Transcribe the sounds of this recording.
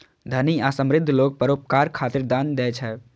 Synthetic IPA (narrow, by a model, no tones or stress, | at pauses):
d̪ʱəniasəmɾɪd̪ʱːlok̚pəɾopkaɾkʰat̪iɾd̪and̪ɛt͡ʃʰɛ